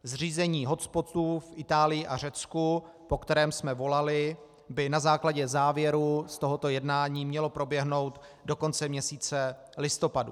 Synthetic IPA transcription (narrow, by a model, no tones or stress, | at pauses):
zr̝iːzɛɲiːɦo̞t͡spo̞t̪uːfʔɪt̪aːlɪjɪʔar̝ɛt͡sku | po̞kt̪ɛɾɛːmsmɛvo̞lalɪ | bɪnazaːklaɟɛzaːvjɛɾust̪o̞ɦo̞t̪o̞jɛdnaːɲiːmɲɛlo̞pɾo̞bjɛɦno̞wt̪ | do̞ko̞nt͡sɛmɲɛsiːt͡sɛ | lɪst̪o̞padṵ